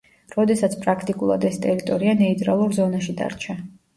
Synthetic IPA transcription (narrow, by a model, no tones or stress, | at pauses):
ɾɔd̪ɛsat̪sʰpʼɾakʰt̪ʼikʼulˠa̰d̪ɛst̪ʼɛɾit̪ʼɔɾianɛit̪ʼɾalˠuɾzɔnaʃid̪a̰ɾt͡ʃʰa